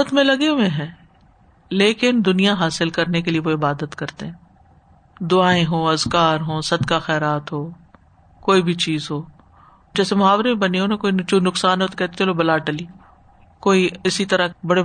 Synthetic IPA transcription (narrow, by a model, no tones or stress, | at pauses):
ət̪mẽlɐɡemẽɦɛ̃ː | leːkɪnd̪ʊnijaɦaːsɪlkɐɾnekelieʋoɪbaːd̪ət̪kɐɾt̪eɦɛ̃ː | d̪ʊaːẽɦoːɐzkaːɾɦoːsɐd̪kaxɛːɾaːt̪ɦoː | koːibʱit͡ʃiːzɦoː | d͡ʒɛːsemʊɦaːʋɾemẽbɐniɦoːnakoːit͡ʃunʊksaːnɦot̪okɛɦt̪elobɐlaːʈəliː | koːiɪsit̪ɐɾabɐɽe